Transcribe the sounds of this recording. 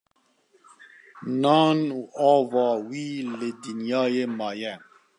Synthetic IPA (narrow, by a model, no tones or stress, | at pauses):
nɑːnuːʔɑːvɑːwiːlɪd̪injɑːjeːmɑːjɛ